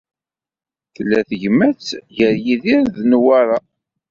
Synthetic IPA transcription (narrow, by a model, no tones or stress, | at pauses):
θəlːæθəʝmæt͡sːʝəɾjiðiɾððnwaɾˤa